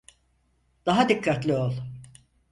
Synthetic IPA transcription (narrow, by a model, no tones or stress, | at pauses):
d̪̥aɦad̪ikʰːat̪lʲiolˠ